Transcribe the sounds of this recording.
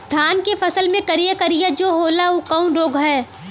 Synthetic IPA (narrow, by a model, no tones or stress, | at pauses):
d̪ʱaːnkefɐsəlmẽkɐɾijekɐɾijad͡ʒoːɦoːlaukɐũɾoːɡʱɦɛː